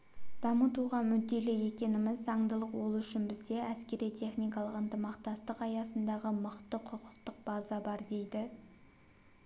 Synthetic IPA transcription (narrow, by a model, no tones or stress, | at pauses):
d̪ɑmət̪uʁɑmʏd̪ːe̞lɪje̞kʲe̞nɪmɪzːɑɴd̪əlˠəqwo̞lˠʏʃɪnbɪzd̪e̞æskʲe̞ɾijt̪ʰe̞χnijkɑlˠəqənt̪əmɑqt̪ɑst̪əqɑjɑsənd̪ɑʁəmʊqt̪əqʰʊqʰə̥qt̪əq̚b̥ɑzɑbɑɾd̪e̞jd̪ɪ